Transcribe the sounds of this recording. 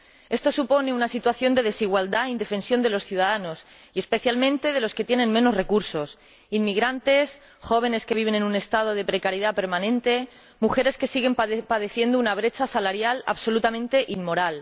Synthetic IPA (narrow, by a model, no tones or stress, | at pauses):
e̞st̪o̞supo̞ne̞unasit̪waθjo̞nd̪e̞ð̞e̞siɣwald̪aind̪e̞fe̞nsjo̞nd̪e̞lo̞sθjuðaðano̞s | ie̞spe̞θjalmẽnt̪e̞ð̞e̞lo̞sket̪je̞nẽ̞nme̞nore̞kuɾso̞s | inmiɣ̞ɾant̪e̞s | xo̞β̞e̞ne̞ske̞βiβ̞e̞ne̞nũne̞st̪að̞oð̞e̞pɾe̞kaɾjið̞ape̞ɾmanẽ̞nt̪e̞ | muxe̞ɾe̞ske̞siɣ̞e̞mpaðe̞θje̞nd̪ounaβ̞ɾe̞t͡ʃasalaɾjala̰βso̞lut̪amẽ̞nt̪e̞ʔimmo̞ɾal